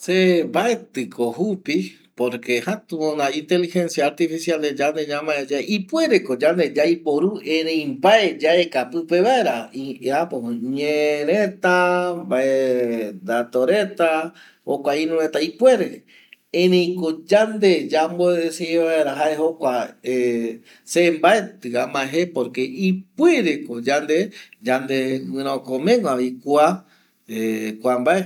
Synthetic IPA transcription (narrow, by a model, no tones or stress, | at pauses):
sembaet̪ɨkʰoɦupi | poɾkehat̪uonaĩnt̪elixẽ̞nsjaːɾt̪ifisiald̪ed͡ʒand̪eɲãmaed͡ʒaeʔipwe̞ɾekod͡ʒand̪ed͡ʒaipoɾuẽɾẽĩmbaed͡ʒaekapɨpeβae̞ɾaiapoɲẽɾet̪ambaed̪at̪oɾe̞t̪a | hokʷaĩnũɾet̪aipwe̞ɾe | ẽnẽĩkod͡ʒand̪ed͡ʒamboeeseeβaeɾaɦaeɦokʷae | sembaet̪ɨamãeɦepoɾke̞ipweɾekod͡ʒand̪ed͡ʒand̪eɨɨ̃ɾ̃okõmẽŋãβikwa | ekʷambae